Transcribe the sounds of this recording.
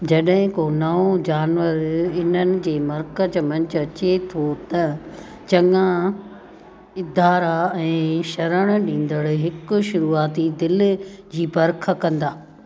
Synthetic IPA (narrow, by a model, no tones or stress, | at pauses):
d͡ʑɐɗɦɪ̃konɐod͡ʑaːnʋəɾɪn̤ənɪ̆d͡ʑeːmɐɾkəd͡ʑmɐ̃ɲt͡ɕʊɐt͡ɕet̪ʰot̪ɐ | t͡ɕɐŋã | ɪd̪ʱaːɾaɛ̃ːʃɐɾəɽ̃ɗĩːn̆d̪əɽɦɪkʊ̆ʃʊɾuːaːt̪id̪ɪld͡ʑiːbɐɾkʰəkɐ̃nd̪aː